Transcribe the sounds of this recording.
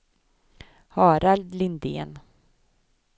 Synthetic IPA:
hɑːɾald̪lɪnd̪ḛːn

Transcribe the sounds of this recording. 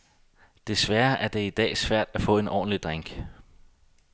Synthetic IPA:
d̥e̝sʋæɐʔæɐd̥e̝id̥ɛ̰ːsʋæɐ̰d̥æfɔ̰̽ːe̝nɒ̰ːn̩lid̥ʁaŋ̰ɡ̥

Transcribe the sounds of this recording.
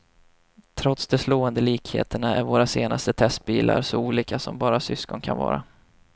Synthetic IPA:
t̪ʰɾɔt̪sd̪ɛsloːənd̪əliːkhḛːt̪əɳaæɾvoːɾaseːnast̪ət̪ʰɛst̪̚biːla̰ɾsɔuːliːkasɔmbɑːɾasʏskɔnkʰanvɑ̰ːɾa

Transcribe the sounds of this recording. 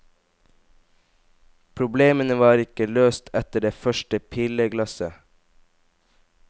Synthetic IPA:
pʰɾʊbleːmənəʋɑːɾɪkəløːst̪ʰɛt̪əɖeːfœʃʈəpʰiːləɡlɑsə

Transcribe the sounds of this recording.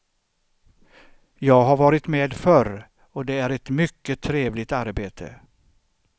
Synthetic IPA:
jɑːɡɦaɾvɑːɾɪt̪meːd̪fœɾ | ɔd̪ɛæɾɛt̪mʏkːət̪ʰːɾeːvlɪt̪aɾbeːt̪ʰə̰

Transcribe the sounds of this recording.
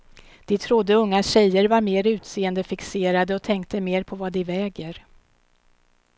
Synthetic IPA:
d̪̥ɪt̪ʰɾʊd̪ːəɵŋːat̪ɕɛjːəɾvaɾmeːɾʉ̟ːt̪seːənd̪əfɪkseːɾad̪əɔt̪ʰɛŋk̚t̪əmeːɾpʰɔvad̪ɪvɛːɡəɾ

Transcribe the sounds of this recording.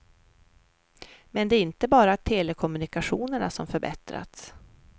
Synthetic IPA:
mɛnd̪ɛːɾɪnt̪əbɑːɾat̪ʰeːlɛkʰɔmɵnɪkaɧuːnəɳasɔmfœɾbɛ̰t̪ɾa̰t̪s

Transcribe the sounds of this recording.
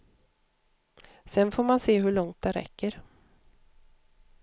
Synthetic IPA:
sɛnfoːɾmanseːɦɵɭɔŋt̪̚d̪ɛɾɛ̰kːəɾ

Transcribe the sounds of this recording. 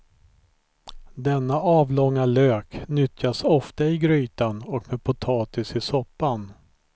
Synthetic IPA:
d̪ɛnːaʔɑːvlɔŋːaløːknʏt̪jasɔft̪aɪɡɾyːt̪anɔkmeːd̪̚pʰʊt̪ʰɑːt̪ɪsɪsɔpːan

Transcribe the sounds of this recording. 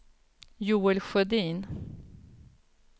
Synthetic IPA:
juːɛlɧœd̪iːn

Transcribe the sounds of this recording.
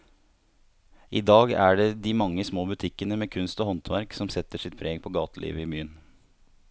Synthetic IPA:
ʔiːd̪ɑːɡæɖeːd̪iːmɑŋːəsmoːbʉt̪ʰɪkːənəmeːkʰʉnst̪ɔːhɔnt̪ʰʋæɾksɔmsɛt̪əʂɪt̪̚pʰɾʔeːɡpʰɔːɡɑːt̪əlʔḭːʋəɪːmyːən

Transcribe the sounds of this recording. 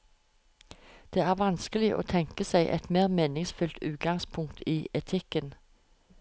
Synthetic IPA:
d̪̥eːæːʁʋɑnskəlɪʔo̰ːt̪ʰɛŋkəsæɪʔɛ̰t̪meːʁmeːnɪŋsfʉlt̪ʰʉ̰ːt̪̚ɡɑŋspʰʊŋkt̪ʰiːʔɛt̪ʰɪkən

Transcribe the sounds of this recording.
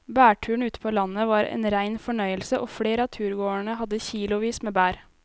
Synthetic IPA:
bæːʈʰʉːɳ̩ʉːt̪ə̥pʰoːlɑnəʋɑːɾʔḛːnɾæɪnfɔɳœʏəlsəʔoːfɽeːɾəɑːt̪ʰʉːɾɡoːəɳəhɑd̪əçiːlʊʋiːsmeːbæːɾ

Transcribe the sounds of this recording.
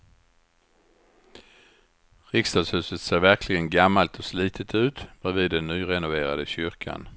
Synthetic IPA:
ɾɪkst̪ɑːd̪shʉ̟ːsət̪seːɾvæɾkʰlɪɡənɡamːalt̪ʰɔsliːt̪ʰət̪ʰʉ̟ːt̪bɛviːd̪ːɛnːyːɾɛnʊveːɾad̪əɕʏɾkʰa̰n

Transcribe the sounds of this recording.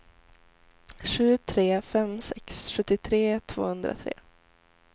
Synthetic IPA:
ɧʉ̟ːt̪ʰɾeːfɛmsɛksɧɵt̪ːɪt̪ʰɾeːt̪ʰv̥o̰ːhɵnd̪ɾa̰t̪ʰɾḛː

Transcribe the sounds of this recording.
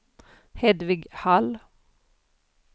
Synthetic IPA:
hɛd̪ʋɪɡhɑl

